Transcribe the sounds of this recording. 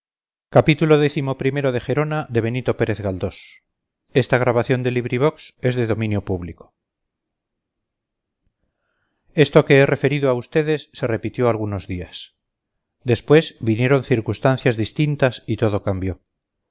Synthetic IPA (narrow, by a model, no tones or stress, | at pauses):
kapit̪ulo̞ðeθimo̞pɾime̞ɾo̞ðexe̞ɾo̞naðe̞β̞e̞nit̪o̞pe̞ɾe̞θɣald̪os | e̞st̪aɣ̞ɾaβaθjo̞nd̪e̞liβɾiβ̞o̞kse̞zðe̞ðo̞mĩnjopuβliko̥ | e̞st̪o̞ke̞ere̞fe̞ɾiðoaust̪e̞ðe̞sːe̞re̞pit̪jo̞alɣuno̞zðias | d̪e̞spwe̞zβinje̞ɾo̞nθiɾkust̪anθjazðist̪int̪asit̪o̞ð̞o̞kambjo̞